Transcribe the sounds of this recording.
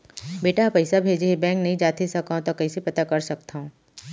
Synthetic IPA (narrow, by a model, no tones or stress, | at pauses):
beːʈaɦpɐɪsabʱeːd͡ʒeɦebɛ̃ːŋknɐɦĩd͡ʒaːt̪esɐkãt̪okɐisepɐt̪akɐɾsɐk̚t̪aɦõː